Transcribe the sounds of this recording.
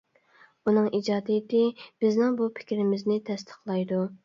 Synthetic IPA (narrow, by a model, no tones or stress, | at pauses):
unɨŋʔid͡ʒɑːd̪ɪjɪt̪ɪb̥ɪznɪŋbupʰɪ̥kʲɾɪmɪznɪt̪ʰɛst̪ʰə̥χlˠɑjd̪u